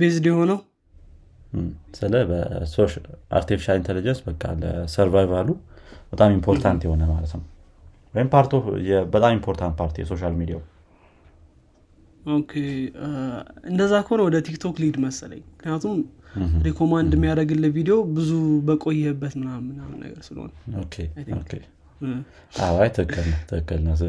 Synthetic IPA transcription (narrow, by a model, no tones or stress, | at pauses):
bezd̪eho̞nəw | sɨləbə̰soʃa̰ɾt̪ʰifi̥ʃalint̪ʰelid͡ʒənsbəkʼːa̰lə̰səɾvajvalubət̪ʼamimpʰo̞ɾt̪ʰant̪jɛho̞nəmalət̪nəw | wɔjɪmpʰaɾt̪ʰojɛbət̪ʼamimpʰo̞ɾt̪ʰant̪̚pʰaɾt̪ʰijɛso̞ʃalmid̪ija̰u | okʰe | ɨnd̪əzːakʰəhonəwɔd̪ət̪ʰikt̪ʰo̞klid̪məsələ̰ɲːmɨknijat̪ʰumɾekʰo̞mand̪mːijaɾəɡɨlːəvid̪ejo̞bɨzubəkʼojːɛbːət̪mɨnamːɨnanːə̰ɡəɾsɨləho̰nəokʰeo̰kʰe | ʔawajt̪ʰəkʰːəlnət̪ʰəkːəlnə